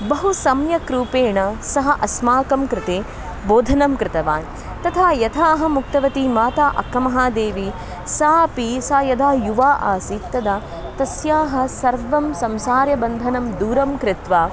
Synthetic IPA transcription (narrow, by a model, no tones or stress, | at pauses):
bɐɦusɐmjɐkɾuːpeːɳɐsɐɦɐʔɐsmaːkɐmkɾɪt̪eː | boːd̪ʱɐnɐmkɾɪt̪ɐʋaːn | t̪ɐt̪ʰaːjɐt̪ʰaːɐɦɐ̆muk̚t̪ɐʋɐt̪imaːt̪aːʔɐ̰kːɐmɐɦaːd̪eːʋi | saːɐpisɐːjɐd̪ʱaːjuʋaːʔaːsit̪ːɐd̪a | t̪ɐsjaːɦɐ̆sɐɾʋɐmsɐmsaːɾjɐbɐnd̪ʱɐnɐmd̪uːɾɐmkɾɪt̪ʋaː